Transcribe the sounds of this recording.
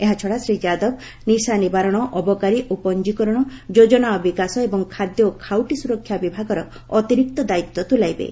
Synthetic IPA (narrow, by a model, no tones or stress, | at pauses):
eɦat͡ʃʰɔɽasɾid͡ʒad̪ɔb | nisanibaɾɔɽ̃ɔʔɔbɔkaɾiʔupɔnd͡ʒikɔɾɔɽ̃ɔd͡ʒod͡ʒɔnaɔbikasɔebɔŋkʰad̪jɔkʰawʈisuɾɔkʰjabibʱaɡɔɾɔ | ɔt̪iɾik̚t̪ɔd̪ait̪ːɔt̪ulajbḛ